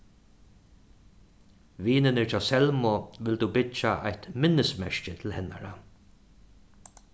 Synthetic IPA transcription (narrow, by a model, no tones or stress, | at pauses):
ʋiːnɪnɪt͡ʃaːsɛlmʊʋɪld̪ubɪt͡ʃːaʔa̰jt̪mɪnːɪsmɛʃcɪt̪ʰɪlhɪnːa̰ɹa